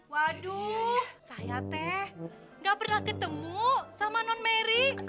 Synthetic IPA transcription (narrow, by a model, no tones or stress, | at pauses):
wadusajat̪ɛh | ŋɡapərnahkət̪əmusamanɔnmeɾi